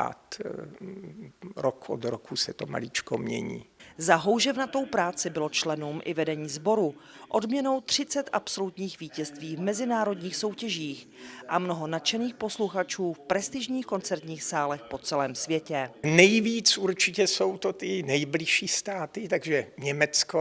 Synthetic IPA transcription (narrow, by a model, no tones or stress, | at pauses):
a̰ːt̪ | ɾokʔo̰d̪ɾokʰusɛt̪oma̰lɪt͡ʃkomɲɛ̰ɲḭːzaɦo̞wʒɛvnat̪o̞wpɾaːt͡sɪbɪlo̞t͡ʃlɛnumʔɪ̰vɛdɛɲiːzbo̞ɾuʔo̞dmɲɛno̞wt̪r̝̥ɪt͡sɛt̪ʔapso̞lut̪ɲiːxviːcɛst̪viːvmɛzɪnaːɾo̞dɲiːxso̞wcɛʒiːx | ʔamno̞ɦo̞nat͡ʃɛniːxpo̞sluxat͡ʃuːfpɾɛst̪ɪʒɲiːxko̞nt͡sɛɾt̪ɲiːxsaːlɛxpo̞t͡sɛlɛːmsvjɛcɛnɛjviːt͡suɾt͡ʃɪcɛsowt̪ot̪ɪnɛjblɪʃiːst̪aːt̪ɪt̪aɡʒɛɲɛmɛt͡sko